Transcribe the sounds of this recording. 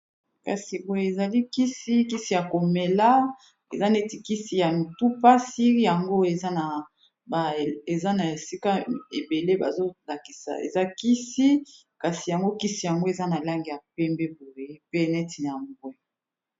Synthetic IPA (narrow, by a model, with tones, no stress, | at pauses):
ka̰˨si˨bo˨je˨e˨za˨li˦ki˦si˦ki˦si˦˨ja˨ko˨me˨la˦ | ḛ˨za˦nɛ˦ti˨ki˦si˨ja˨n˨tu˦pa˦si˦i˦ja˨ŋɡo˦e˨za˦na˨ | ba˨e˨za˦na˨e˨si˦ka˦e˨be˨le˦ba̰˨zo˦la˨ki˨sa̰˨ḛ˨za˦ki˦si˦ | ka˨si˨ja˨ŋɡo˦ki˦si˨ja˨ŋɡo˦e˨za˦na˨la˦ŋɡi˨ja˨pɛ˦mbɛ˦bo˨ʁe˨e˦pe˦nɛ˦ti˨n˨a˨mbwɛ˦